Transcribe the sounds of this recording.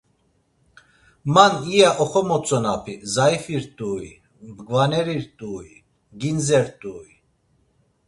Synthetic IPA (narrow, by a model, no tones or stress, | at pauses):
manijaʔɔχɔmɔt͡sʼɔnapʰizajfiɾt̪ʼuːi | bɡvanɛɾiɾt̪ʼuːi | ɡinzɛɾt̪ʼuːi